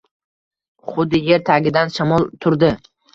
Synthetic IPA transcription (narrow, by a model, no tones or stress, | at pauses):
χʊd̪ːɪje̞ɾt̪ʰaɡʲɪd̪anʃamɒlˠt̪ʰʊɾd̪ɪ